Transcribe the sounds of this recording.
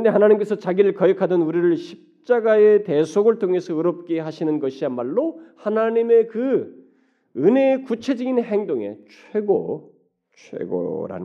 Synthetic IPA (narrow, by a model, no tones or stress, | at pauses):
ndehanaɲimk͈e̞sʰʌt͡ɕaɡiɾɯɭkʌekʰadɯnuɾiɾɯɭɕʰi̥p̚t͡ɕ͈aɡaete̞sʰoɡɯɭtʰoŋe̞sʰʌɯɾop̚k͈e̞ɦaɕʰinɯnɡʌɕʰianmaɭːohanaɲime̞kɯ | ɯne̞ːkut͡ɕʰe̞d͡ʑiɡinɦeŋdoŋe̞̰t͡ɕʰwe̞ɡo̰ | t͡ɕʰwḛɡo̰ɾa̰n